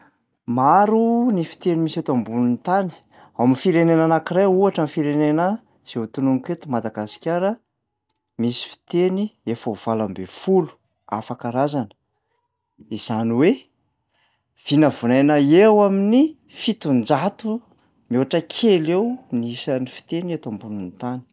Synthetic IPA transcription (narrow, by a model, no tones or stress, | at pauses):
maɾunifi̥t̪enimiset̪ambununt̪ani̥ | awamiifiɾenenanakiɾajuaʈ͡ʂamifiɾenenə | z̥eut̪unuŋket̪umad̪aɡasi̥kʲjaɾə | misi̥fi̥t̪eniefauv̥alambefulu̥ | a̰fakaɾazanə̥ | iz̥aniwe | v̥inəvunajnaewamini | fit̪und͡zat̪u | moaʈ͡ʂəkʲʰelewniisanifi̥t̪eniet̪ambununt̪ani̥